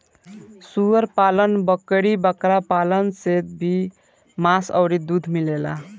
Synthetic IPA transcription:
suəɾpalənbəkɽibəkɾapalənset̪̚bʱi | masə̰wɾid̪ud̪ʱmilela̰

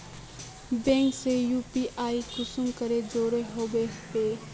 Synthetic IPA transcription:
bẽːŋksejuːpiʔaːikʊsumkəɾed͡ʒoːɾeɦoːbepeː

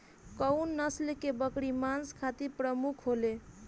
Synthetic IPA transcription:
kəwnːəslekebəkɽimanskʰat̪iɾpɾəmukʰɦole

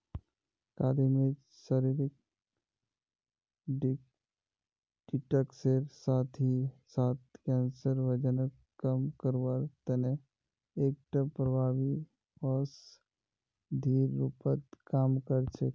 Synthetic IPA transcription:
kaːd̪ime | səɾiɾɪk̚ | ɖ | ɖ̥iʈəkseɾsaːt̪ʰisaːt̪̚kɛnsəɾʋəd͡ʒənək | kəmkəɾwaɾt̪əne | eːk̚ʈəpɾəbʱaːʋi | ɔs | d̪ʱiːɾːupət̪kaːmkəɾt͡ʃʰe

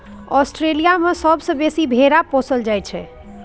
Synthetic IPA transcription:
ɔsʈɾelijamesəbsə̃besibʱeɾapõsəld͡ʒajt͡ʃʰɛ̰

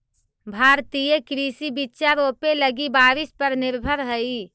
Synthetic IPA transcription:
bʱaːɾt̪ijekɾiːsibitːʃaɾoːpeləɡibaːɾɪspəɾnɪɾbʱəɾɦəi

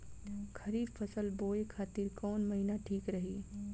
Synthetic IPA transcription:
kʰɐɾiːbfɐsəlboːekʰaːt̪iɾkɔːnmɐɦinaʈʰiːkɾɐɦiː

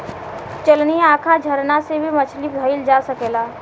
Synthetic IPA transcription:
t͡ʃəlniãːkʰad͡ʒʱəɾnasebʱimət͡ʃʰlibʱəɪld͡ʒaːsəkeːlaː

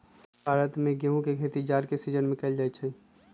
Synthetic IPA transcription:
bʱaːɾət̪mẽɡeũkekʰet̪id͡ʒaːɾkesid͡ʒənmɪ̃kəld͡ʒaːjt͡ʃʰɛ

